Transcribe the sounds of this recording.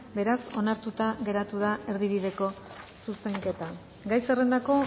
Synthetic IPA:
be̞ɾaso̞naɾt̪ut̪aɣe̞ɾat̪uðae̞ɾðiβiðe̞ko̞suse̞ŋke̞t̪a | ɡajsere̞nd̪ako̞

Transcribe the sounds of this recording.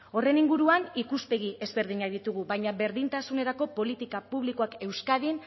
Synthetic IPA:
o̞re̞niŋɡuɾuanikuspe̞ɣ̞ie̞zβe̞ɾðiɲaðit̪uɣuβajɲaβe̞ɾðint̪asune̞ɾako̞po̞lit̪ikapuβliko̞ake̞wskað̞in

